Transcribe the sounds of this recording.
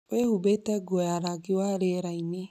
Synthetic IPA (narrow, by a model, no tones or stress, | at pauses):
wehubetɛɡɔjaɾaɡiwaɾeɾaine